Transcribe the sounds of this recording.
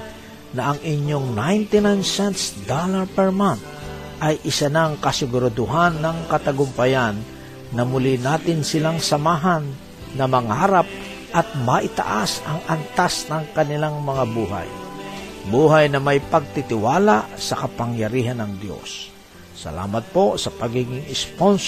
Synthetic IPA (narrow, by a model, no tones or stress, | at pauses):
nɐʔɐŋʔɪɲjoŋnajnt̪ɪnajnsɛnt̪sd̪alaɹpɛɹman | ʔɐjʔɪsanaŋkɐsɪɡʊɾad̪ʊɦanːɐŋkɐt̪ɐɡʊmpɐjanː | ɐmʊlinaːt̪ɪnsɪlaŋsɐmaːɦanː | ɐmɐŋaːɾap̚ | ʔɐt̪̚mɐʔɪt̪ɐ̰ʔasɐŋʔɐnt̪asnɐŋkɐnɪlaŋmɐŋabuːɦa̰j | buːɦajnɐmajpɐɡ̚t̪ɪt̪ɪwaːlaʔsɐkɐpaŋjɐɾiːɦanɐŋd̪jo̞̰sː | ɐ̰la̰ːmɐt̪̚po̞sɐpɐɡiɡɪŋɪspons